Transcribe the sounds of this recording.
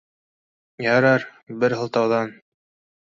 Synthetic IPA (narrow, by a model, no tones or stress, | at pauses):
jɑɾɑɾbɘɾɦɤ̆lˠt̪ɑwðɑn